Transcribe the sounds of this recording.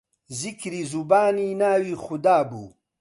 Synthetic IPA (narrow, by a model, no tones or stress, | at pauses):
zikɾizubaːninaːwixud̪aːbṵː